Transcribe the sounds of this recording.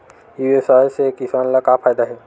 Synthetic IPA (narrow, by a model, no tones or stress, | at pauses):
iwesɔɦsekisanləkapʰajd̪aɦɛ